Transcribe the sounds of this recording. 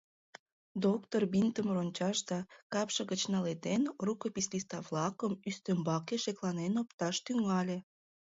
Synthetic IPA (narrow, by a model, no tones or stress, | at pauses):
d̪okt̪orbint̪əmronʲt͡ɕɑʃd̪ɑkɑpʃə̆ɣət͡ɕnɑlet̪enrukəpislist̪ɑβlɑkəmyst̪ømbɑkeʃeklɑnenopt̪ɑʃt̪yŋɑlʲe